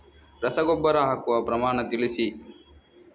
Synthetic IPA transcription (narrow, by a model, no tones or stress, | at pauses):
ɾɐsɐɡobːɐɾɐɦɐkuʋɐpɾɐmaːɳɐt̪ilisi